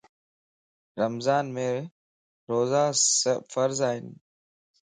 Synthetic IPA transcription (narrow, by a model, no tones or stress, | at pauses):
ɾəmzaːnmẽː | ɾoːzaːsəfəɾzaːɦɪn